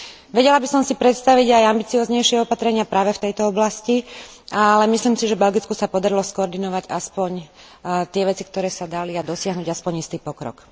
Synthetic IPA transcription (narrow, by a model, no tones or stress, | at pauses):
ʋɛɟɛlabisɔmsipɾɛt̪st̪aʋiɟajambit͡siɔːzɲɛjʃɪɛɔpat̪ɾɛɲɪapɾaːʋɛft̪ɛjt̪ɔɔblascialɛmisliːmsiʒɛbɛlɡit͡skusapɔd̪aɾilɔskɔɔɾd̪inɔʋaɟaspɔɲ | t̪ɪɛʋɛt͡sikt̪ɔɾɛːsad̪aliad̪ɔsɪaɦnuːɟaspɔɲist̪iːpɔkɾɔ̰k